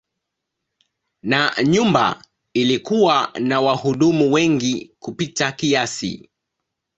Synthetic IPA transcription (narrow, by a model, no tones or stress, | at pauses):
naɲumba̰ | ilikuwanawahuɗumuwɛŋɡikupitakiasḭ